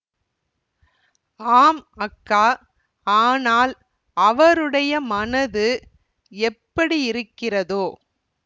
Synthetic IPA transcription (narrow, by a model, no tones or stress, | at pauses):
aːmɐkːaː | aːnaːl | ʔɐʋɐɾɯɽɐjɐmɐnɐðɯ | ɛpːɐɽiɪɾɯkːɪrɐðoː